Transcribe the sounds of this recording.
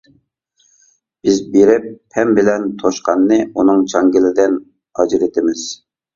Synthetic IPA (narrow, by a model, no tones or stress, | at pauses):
bɪzbeɾɪpʰːɛmbɪlɛnt̪ʰoʃqɑnːɨunɨŋt͡ʃʰɑŋɡʲɪlɪd̪ɪn | ɑd͡ʒɾɪt̪ʰɪmɪz̥